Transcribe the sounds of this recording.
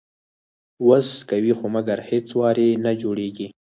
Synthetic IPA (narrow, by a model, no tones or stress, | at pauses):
wəskawixomaɡaɾhet͡swɑɾenad͡ʒoɽeɡi